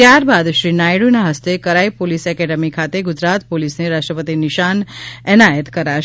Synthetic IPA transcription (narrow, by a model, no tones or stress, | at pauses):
t̪jaɾbad̪ʃɾinajɽunaɦəst̪ekəɾaipolisɛkɛɖəmikʰat̪eɡʊd͡ʒɾat̪polisneɾaʃʈɾəpət̪inɪʃanɛnajət̪kəɾaʃ